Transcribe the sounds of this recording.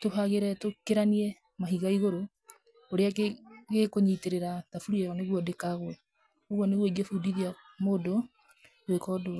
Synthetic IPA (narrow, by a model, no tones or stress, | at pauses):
toɦaɣeɾɛtokeɾaniɛ | maɦiɣaiɣoɾo | oɾeakɣekoɲiteɾeɾatafuɾiɛɣɔneɣwɔdekaɣwɛ | oɣwɔneɣweɡefudiðia | modo | wekɔdo